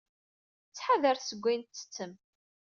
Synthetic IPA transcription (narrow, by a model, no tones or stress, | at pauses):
t͡sːħaðəɾsəɡʷːint̪ːə̥t͡sːəm